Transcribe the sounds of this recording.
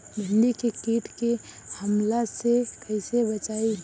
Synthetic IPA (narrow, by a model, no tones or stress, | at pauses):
bʱɪnɖikekiːʈkehəmlasekəɪsebət͡ʃai